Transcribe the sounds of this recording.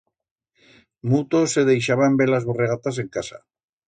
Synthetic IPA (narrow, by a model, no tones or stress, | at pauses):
mut̪osːe̞ðejʃ̬aβambeɾlazβoreɣ̞at̪as̬e̞ŋkasa̰